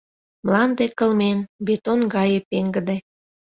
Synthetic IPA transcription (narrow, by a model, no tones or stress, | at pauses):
mlɑnd̪ekə̆lmenbet̪onɡɑjepeŋɡə̆d̪e